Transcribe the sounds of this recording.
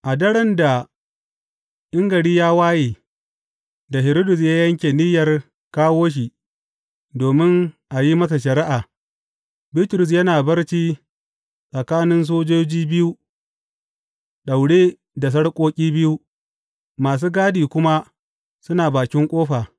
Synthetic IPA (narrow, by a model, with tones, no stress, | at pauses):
ʔa˨dɐ˦ɽɐ˦nda˨ | ʔɪ˦ŋɡɐ˨ɽiː˦jaː˦waː˦jeː˨ | da˨ɦɪ˨ɾo˦dʊ˨s̬jaː˦jɐ˦ŋkʲeː˨nɪ˦jɐ˨r | kaː˦woː˦ʃ̬i˨ | doː˨mɪ˦ŋʔa˨ji˦mɐ˦s̬a˨ʃɐ˨ɾɪ˦ʔaː˨ | bɪ˦tɾʊ˨s̬jɐ˦naː˨bɐ˦rt͡ʃiː˦ | sʼɐ˨kaː˦nɪ˦ns̬oː˦d͡ʒoː˦d͡ʒiː˦bɪ˦ju˦ | ɗa˨wɽeː˦ | da˨s̬ɐ˦ɽkʷʼoː˦kʲʼiː˦bɪ˦ju˦ | maː˨s̬uː˦ɡaː˦diː˨kʷʊ˦ma˦ | sʊ˦naː˨baː˨kʲɪ˦ŋkʷʼoː˦ɸaː˨